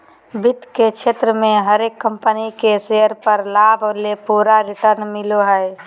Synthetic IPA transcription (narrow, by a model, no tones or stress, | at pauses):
bɪt̪kekʃʰeːt̪ɾəmẽɦəɾeːkːə̃mpənikesejəɾpəɾlaːblepuːɾaɾɪʈəɾnmɪloɦɛɛ